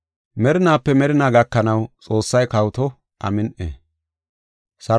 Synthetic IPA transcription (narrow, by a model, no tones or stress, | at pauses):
mɛɾɪnaːpːɛmɛɾɪnaːɡɐkːɐnɐwt͡sʼo̞ːsːɐjkɐwt̪ɔ | ʔɐ̰mɪnʔḛː | sɐ